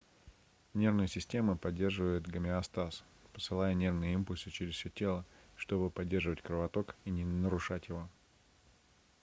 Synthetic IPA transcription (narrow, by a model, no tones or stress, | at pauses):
nʲe̞rvnəjəsʲɪsʲtʲe̞məpɐdʲːe̞rʐɨvəjɪt̪ɡəmʲɪɐst̪as | pə̥sɨlˠajənʲe̞rvnɨjəimpʊlʲsɨt͡ɕɪɾʲɪzfsʲɵotʲe̞lˠəʂt̪o̞bɨpɐdʲːe̞rʐɨvətʲkɾəvɐt̪o̞kinʲɪnəɾʊʂatʲjɪvo̞